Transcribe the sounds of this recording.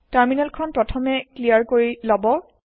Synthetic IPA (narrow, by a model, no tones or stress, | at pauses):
taɹminalkʰɔnpɹɔtʰɔmɛklijaɹkoɹilɔbɔ